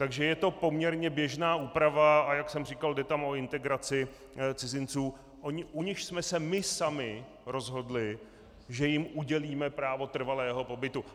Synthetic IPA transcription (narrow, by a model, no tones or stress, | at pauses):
t̪aɡʒɛjɛt̪o̞po̞mɲɛɾɲɛbjɛʒnaːʔuːpɾavaajaksɛmr̝ikaldɛt̪amo̞ɪnt̪ɛɡɾat͡sɪ | t͡sɪzɪnt͡suː | ʔoɲɪʔuɲɪʃsmɛsɛmɪsamɪ | ɾo̞zɦo̞dlɪ | ʒɛjɪmʔuɟɛliːmɛpɾaːvo̞t̪r̩valɛːɦo̞po̞bɪt̪u